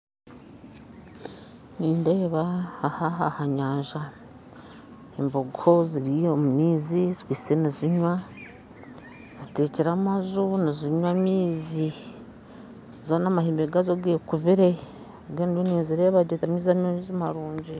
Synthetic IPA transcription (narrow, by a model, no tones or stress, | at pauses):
niːndeβaahaɦahaɲaːɲʒa | emboɡʰoziɾiomumiːzizikwiːseniziɲwa | z̥iteciɾamazuniziɲwamiːzi | zonamahiːmbeɡazoɡekuβiɾe̞ | oɡenɾoniːnziɾeːβaɟetamiːzamoizimaɾuːɲɟi